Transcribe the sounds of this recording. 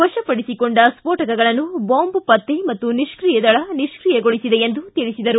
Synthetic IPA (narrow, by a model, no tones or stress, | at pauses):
ʋɐʃɐpɐɽisikoɳɖɐspoːʈɐkɐɡɐɭɐnːuboːmbupɐt̪ːemɐt̪ːuniʃkɾiːjɐd̪ɐɭɐniʃkɾiːjɐɡoɭisid̪eend̪ut̪iɭisid̪ɐɾu